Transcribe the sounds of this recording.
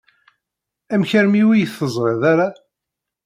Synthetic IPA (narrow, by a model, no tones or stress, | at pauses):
æmçəɾmiwijəθːəzˤɾˤeðaɾa